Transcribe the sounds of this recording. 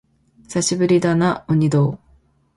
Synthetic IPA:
saɕʰibɯɾid̪anauɲid̪o

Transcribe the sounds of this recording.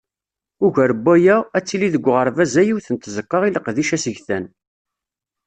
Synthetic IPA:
ʊʝæɾəbːæjææt͡sːiliðəɡʷːʁəɾˤvæzæjiwθənt̪zəkːɑʁiləqðiʃæsəʝθæn

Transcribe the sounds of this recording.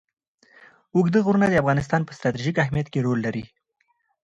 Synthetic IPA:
ʊɡd̪əɣuɾunad̪əafɣɑnɪs̬t̪ɑnpə̥st̪ɾɑt̪iʒikaɦmijat̪keɾolːaɾi

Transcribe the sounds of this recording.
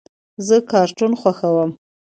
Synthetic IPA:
zəkɑɾʈunxwaxawəm

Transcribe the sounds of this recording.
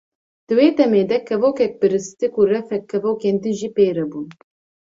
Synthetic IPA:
d̪̥ɨweːd̪ɛmeːd̪ɛkʰɛvoːkɛk̚pɨɾɨst̪ɨkurɛfɛkʰːɛvoːkeːnd̪ɨnʒiːpeːɾɛbun

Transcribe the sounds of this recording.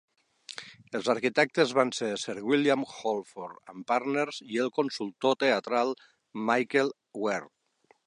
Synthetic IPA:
elˠzaɾkit̪ɛk̚t̪ezβanseɾseɾɣwiljamxolˠfoɾampaɾneɾzielˠkonsulˠt̪ot̪eat̪ɾalˠ | majkel | wɛɾt̪

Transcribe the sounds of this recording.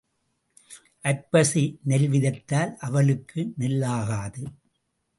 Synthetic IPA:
ʔɐɾpɐsinɛlʋɪðɐt̪ːaːlʔɐʋɐɭɯkʰːɯnɪlːaːɣaːðɯ

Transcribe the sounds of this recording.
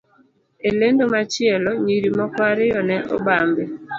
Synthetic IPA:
elendomat͡ʃɪelɔɲiɾimɔkwaɾɪjɔnɛʔɔ̰bambɪ

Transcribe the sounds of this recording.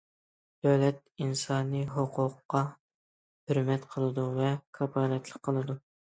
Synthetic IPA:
d̪̥øwlɛt̪̚insɑːnɨɦoqʰʊqːɑ | høɾmɛt̪qʰəlˠɨd̪uvɛkʰɑbɑːnɛt̪lˠəq̚qʰːəlˠɨd̪u

